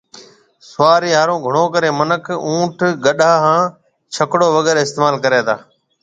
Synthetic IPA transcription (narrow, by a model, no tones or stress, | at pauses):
sʊʋaːɾiːɦaːɾõːɡʱəɳ̃oːkəɾeːmənəkʰũːʈʰɡəɗaːɦãː | t͡ʃʰəkɽoːʋəɡɛːɾɪst̪eːmaːlkəɾeːt̪ʰa̰ː